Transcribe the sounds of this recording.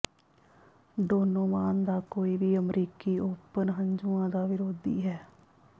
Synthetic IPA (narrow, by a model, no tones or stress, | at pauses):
ɖoːnoːmaːnd̪aːkoːiːbiːəmɾiːkiːoːpənɦəɲd͡ʒuãːd̪aːʋɪɾoːd̪ḭːɦɛː